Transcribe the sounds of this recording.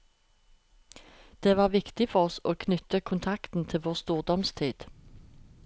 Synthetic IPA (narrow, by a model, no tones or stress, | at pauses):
d̪̥eːʋɑːʁʋɪkt̪ɪfɔʁɔsoːkʰnʏt̪əkʰʊnt̪ʰɑkt̪n̩t̪ʰɪʋoːʁst̪uːʁd̪ɔmst̪ʰiːd̪̥